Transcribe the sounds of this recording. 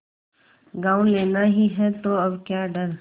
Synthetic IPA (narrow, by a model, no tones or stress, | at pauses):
ɡaːʊ̃leːnaɦiɦɛt̪oɐbkjaɖɐɾ